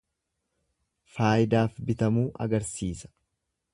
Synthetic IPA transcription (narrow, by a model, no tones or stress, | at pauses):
faːjɪd̪aːfbɪt̪ɐmuːʔɐ̰ɡɐɾsiːsɐ̥